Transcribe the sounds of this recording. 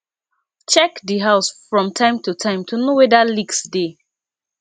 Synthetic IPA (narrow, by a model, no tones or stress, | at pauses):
t͡ʃɛkdiɦaʊsfɹɔ̃mtʰãɪ̃mtutʰãɪ̃mtʰunowɛdaliɡsde